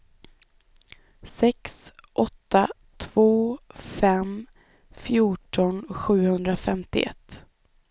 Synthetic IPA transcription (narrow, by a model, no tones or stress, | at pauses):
sɛksʔɔt̪ːa | t̪ʰv̥oːfɛm | fjuːʈɔnɧʉ̟ːhɵnd̪ɾafɛmt̪ɪ̰ʔɛ̰t̪ː